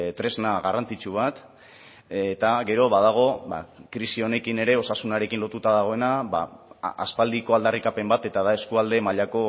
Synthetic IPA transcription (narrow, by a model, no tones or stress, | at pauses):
t̪ɾe̞znaɣarant͡sit͡ʃuβ̞at̪ | et̪aɣe̞ɾo̞βað̞aɣ̞o̞βa̰kɾisio̞ne̞kine̞ɾe̞o̞sasunaɾe̞kinlo̞t̪ut̪aðaɣ̞o̞e̞naβa̰ʔa̰spald̪iko̞ald̪arikape̞mbat̪e̞t̪aðae̞skuald̪e̞maʎako̞